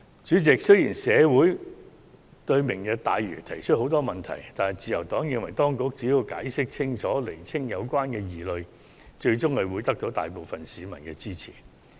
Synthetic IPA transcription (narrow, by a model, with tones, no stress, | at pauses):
t͡ʃyː˨˥t͡sɪ˨k̚sɵ˥jiː˨˩nsɛː˨˧wuː˨˥j | t̪ɵ˧ɥmɪ˨˩ŋjɐ˨˧k̚t̪aː˨jɥy̰ː˨˩t̪ʰɐ˨˩jt͡ʃʰɵ˥t̚ho˨˥wt̪ɔː˥mɐ˨nt̪ʰɐ̰˨˩jt̪aː˨nhɐ˨˩jt͡siː˨˧jɐ˨˩wt̪ɔː˨˥ŋjɪ˧ŋwɐ˨˩jt̪ɔː˥ŋkʊ˧˥k̚t͡siː˨˥ji˧wka̰ː˨˥jsɪ˥k̚t͡sʰɪ˥ŋt͡ʃʰɔː˨˥le˨˩jt͡sʰɪ˥ŋjɐ˨˧wkwaː˥nkɛː˧jiː˨lɵ˧ɥ | t͡ʃɵ˧ɥt͡ʃʊ˥ŋhɐ˨˧ɥwuː˨˧jt̪ɐ˥k̚t̪o˨˥wt̪a̰ː˨jpo˨wfɐ˨nsiː˨˧mɐ̰˨˩nkɛː˧t͡siː˥t͡sʰḭ˨˩